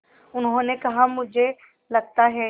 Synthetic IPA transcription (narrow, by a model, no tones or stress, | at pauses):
ʊnɦõːnekɐɦamʊd͡ʒʱe | lɐɡ̚t̪aɦɛ